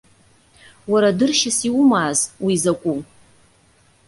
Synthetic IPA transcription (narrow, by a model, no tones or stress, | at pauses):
waɾadɨrʃɪsiwʊmaːzwizakʷʼu